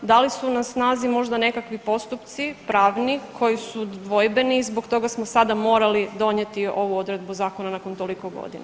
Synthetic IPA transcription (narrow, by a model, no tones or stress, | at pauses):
d̪alisunasnaːzimo̞ʒd̪ane̞kakʋipo̞st̪upt̪sipɾaːʋnikʰo̞jisud̪ʋo̞jbe̞nizboɡt̪o̞ɡasmosad̪amo̞ːɾalid̪o̞ɲjet̪io̞ʋuo̞d̪ɾe̞d̪̚buzaːko̞nanako̞nt̪oliko̞ɡo̞̰d̪ina